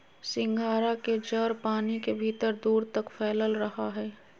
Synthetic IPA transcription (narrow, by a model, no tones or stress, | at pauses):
sɪ̃ŋɡʱaːɾaked͡ʒəɾpaːnikebʱiːt̪əɾd̪uːɾt̪ɐkfʰɛːləlɾɐɦaɦɛː